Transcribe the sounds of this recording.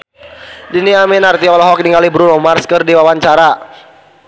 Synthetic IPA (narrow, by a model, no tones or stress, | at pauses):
diniaminart̪iɔlɔɦɔk̚niŋalibɾunɔmarskɨrdiwawaɲt͡ʃaɾa